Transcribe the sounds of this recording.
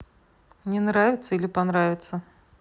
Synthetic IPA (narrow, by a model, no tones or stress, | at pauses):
nʲɛnɾavʲɪt̪sːɐilʲipanɾavʲɪt̪sːɐ